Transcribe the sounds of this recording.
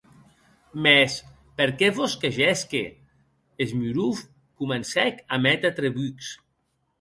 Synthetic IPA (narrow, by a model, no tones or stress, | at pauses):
mɛs | peɾkɛβoskeʒɛskḛ | ezmyɾuf | kumensɛkamɛt̪at̪ɾeβyks